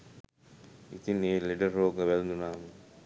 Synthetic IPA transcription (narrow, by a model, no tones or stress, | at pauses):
ḭt̪ineːliɖəroːɡəʋælnd̪unaːmə